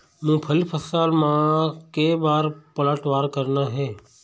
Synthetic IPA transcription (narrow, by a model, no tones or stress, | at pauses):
mũːpʰəlipʰəsaːlmãkeːbaːɾpələʈʋaːɾkəɾnaɦɛː